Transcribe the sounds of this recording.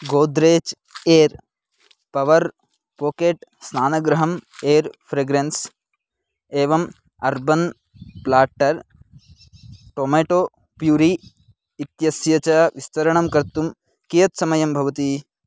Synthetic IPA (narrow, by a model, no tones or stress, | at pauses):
ɡoːd̪ɾeːt͡ʃ | eːɾ | pɐʋɐɾ | poːkeːʈsnaːnɐɡɾɐɦɐmeːɾpʰɾeɡɾens | eːʋɐm | ɐɾbɐn | plaːʈɐɾ | ʈoːmeːʈoː | pjuːɾiː | t̪jɐsjɐt͡ʃɐʋist̪ɐɾɐɳɐmkɐɾt̪um | kijɐt̪sɐmɐjɐmbʱɐʋɐt̪i